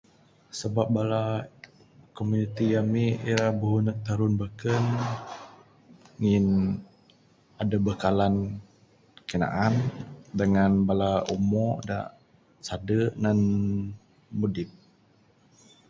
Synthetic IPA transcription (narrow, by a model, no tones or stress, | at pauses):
səbap̚bala | komunit̪ijamiiɾabəɦunəʔ̚t̪aɾʊnbakən | ŋin | adabəkalan | kəna̰ʔandəŋanbalaumɔda̰ʔ | sadəʔnan | mudɪt̪̚